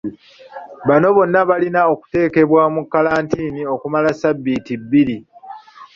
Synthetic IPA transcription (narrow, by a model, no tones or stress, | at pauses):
βano̞βo̞nːaβalinao̞ku̥te̞ːke̞βwamukːalaːntiːnio̞kumalasabːitibːiɾi